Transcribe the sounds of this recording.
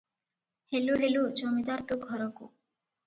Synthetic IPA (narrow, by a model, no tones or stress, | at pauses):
heluɦelud͡ʒɔmid̪aɾt̪uɡʱɔɾɔkṵ